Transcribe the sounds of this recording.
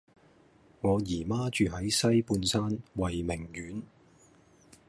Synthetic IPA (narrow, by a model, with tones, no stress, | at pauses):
ŋɔː˨˧jiː˨˩maː˥t͡ʃyː˨ɦɐ˨˥jsɐ˥jpuː˧nsaː˥nwɐ˨jmɪ˨˩ŋjyː˨˥n